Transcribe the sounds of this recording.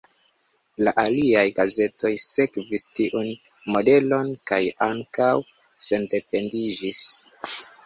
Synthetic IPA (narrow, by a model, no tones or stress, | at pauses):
laʔaliajɡaze̞to̞jse̞kvistiʔun | mo̞de̞lo̞nkajaŋkaw | se̞nde̞pe̞ndid͡ʒis